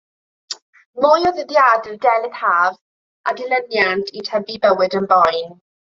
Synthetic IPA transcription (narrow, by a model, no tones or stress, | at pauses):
mʊjɔðəðiaddɛlˠɪðhaːv | ʔadɪlənjantʰitʰɛbibəwɨdənbɔjn